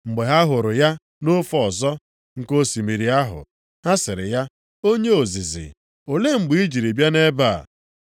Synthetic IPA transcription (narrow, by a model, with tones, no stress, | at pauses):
ŋ͡m̩˨ɡ͡be˨ɦa˦ɦʊ˨ɾʊ˨ja˦ | no˦fɔ˨ɔ˨zɔ˦ | ŋ̩˦˨ko˦si˨mi˨ɾi˨a˦ɦʊ̰˨ | ha˦sɪ˨ɾɪ̰˨ja˦ | o˦ɲe˦o˨zi˨zɪ̰˨ | o˨le˦ŋ͡m̩˨ɡ͡bi˨˦i˦d͡ʒi˨ɾi˨bja˦ne˦ba̰˦˨